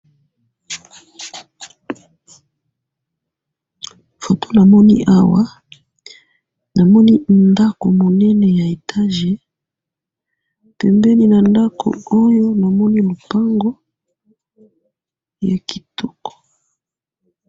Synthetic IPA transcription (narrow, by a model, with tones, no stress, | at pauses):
fo˨to˦na˨mɔ˦ni˦ʔa˦wa˦ | na˨mɔ˦ni˦nda˦ko˨mo˨nɛ˦nɛ˨ja˨e˨tʰa˦ʒe˨ | pɛ˨mbɛ˦ni˦na˨nda˦kʰo̰˨o˦jo˦na˨mɔ˦ni˦lo˨pa˦ŋɡo˦ | ja˨ki̥˨tʰɔ˦kɔ̥˨